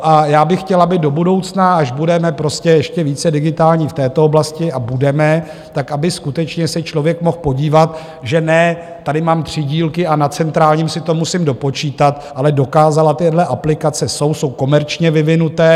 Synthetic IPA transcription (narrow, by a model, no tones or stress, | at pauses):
ʔajaːbɪxcɛlabɪdo̞budo̞wt͡snaaʒbudɛmɛpɾo̞scɛjɛʃcɛviːt͡sɛdɪɡɪt̪aːlɲiːft̪ɛːt̪ooblascɪabudɛmɛ | t̪akabɪskut̪ɛt͡ʃɲɛsɛt͡ʃlo̞vjɛkmo̞xpo̞ɟiːvat̪ | ʒɛnɛ | t̪adɪmaːmt̪r̝̥ɪɟiːlkɪʔanat͡sɛnt̪ɾaːlɲimsɪt̪o̞musɪmdo̞po̞t͡ʃiːt̪at̪ʔalɛdo̞kaːzalat̪ɪdlɛʔaplɪkat͡sɛso̞wso̞wko̞mɛɾt͡ʃɲɛvɪvɪnut̪ɛː